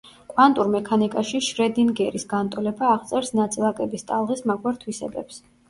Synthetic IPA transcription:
kʼwant̪ʼuɾmɛkʰanikʼaʃiʃɾɛd̪inɡɛɾisɡant̪ʼɔlɛbaːʁt̪sʼɛɾsnat̪sʼɛvˠakʼɛbist̪ʼalˠʁismaɡwaɾt̪ʰwisɛ̰bɛ̰ps

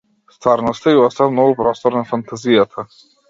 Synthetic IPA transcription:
st̪vaɾnɔst̪aiast̪avnɔvupɾɔst̪ɔɾnafant̪ʰazijat̪ʰa

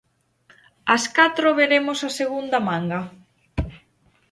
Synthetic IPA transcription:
ɐskat̪ɾoβeɾemosaseɣund̪ɐmaŋɡa

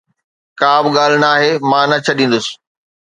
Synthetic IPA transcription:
kaːbɠaːl̤ɪnaːɦeːmãːnɐt͡ɕʰɐɗĩːn̆d̪ʊsɪ̥̆

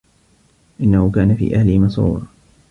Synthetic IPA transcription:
ʔɪnːahʊkaːnafḭːʔahlɪhmɑsˤṵːɑ

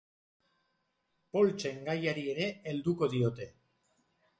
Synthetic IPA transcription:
po̞lt͡ʃe̞ŋɡajaɾie̞ɾe̞eld̪uko̞ðio̞t̪e̞

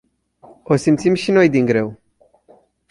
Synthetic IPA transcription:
osimt̪simʃino̞jd̪iŋɡɾe̞w

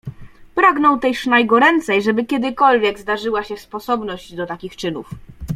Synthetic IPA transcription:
pɾaɡnɔ̃wt̪ɛjʂnajɡɔɾɛnt̪sɛjʐɛbɘkʲjɛd̪ɘkɔlvʲjɛɡzd̪aʐɘwaɕɛspɔsɔbnɔʑd͡ʑd̪ɔt̪akʲixt͡ʂɘnuf

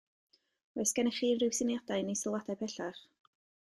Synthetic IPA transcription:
ɛsɡ̥ɛnɛχiːnrɪwsɪnjadajnisɔlˠwadajpʰɛɬaχ

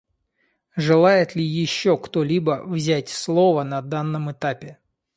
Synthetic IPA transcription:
ʐɨlˠajɪt̪lʲɪjɪɕːokt̪olʲibəvzʲætʲslˠovənɐd̪anːəmɨt̪apʲɪ

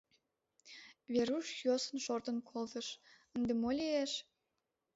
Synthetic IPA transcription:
βeɾuʃjosənʃort̪ənkʰolt̪əʃənd̪emolʲeeʃ

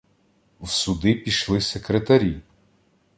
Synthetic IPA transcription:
wsʊd̪ɪpʲiʃlˠɪsekɾet̪ɐɾʲi

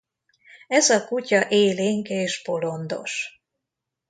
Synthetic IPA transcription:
ɛzɒkucɒʔeːleːŋkeːʃpo̞lo̞nd̪o̞̰ʃ

